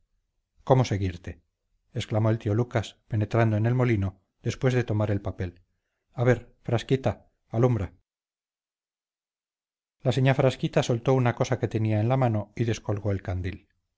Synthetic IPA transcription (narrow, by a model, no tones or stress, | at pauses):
ko̞mo̞se̞ɣiɾt̪e̞ː | sklamo̞e̞lt̪io̞lukaspe̞ne̞t̪ɾand̪oene̞lmo̞lino | ð̥e̞spwe̞zðe̞t̪o̞maɾe̞lpape̞l | aβe̞ɾfɾaskit̪aː | lumbɾa | laseɲafɾaskit̪aso̞lt̪o̞unako̞sake̞t̪e̞niaenlamano̞iðe̞sko̞lɣo̞e̞lkand̪il